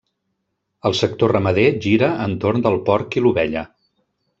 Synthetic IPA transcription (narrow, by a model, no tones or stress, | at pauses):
əlˠsək̚t̪orəməðeʒiɾəənt̪ornd̪əlˠpɔɾkiluβɛʎə